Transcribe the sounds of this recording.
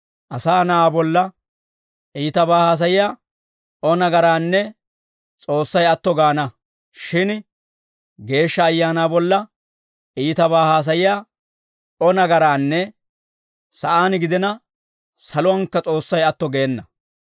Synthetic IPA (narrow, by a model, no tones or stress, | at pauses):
ʔɐsaːnɐaːbɔlːɐ | ʔiːt̪ɐbaːhaːs̬ɐjɪjaː | ʔɔnɐɡɐɾaːnːɛ | t͡sʼo̞ːsːɐjɐt̪ːɔɡaːnɐ | ʃɪn | ɡe̞ːʃːɐːjːaːnaːbɔlːɐ | iːt̪ɐbaːhaːs̬ɐjɪjaː | ʔɔnɐɡɐɾaːnːɛ | sɐʔaːnɡɪd̪ɛnɐ | sɐlɔɐŋkːɐt͡sʼo̞ːsːɐjɐt̪ːɔɡeːnːɐ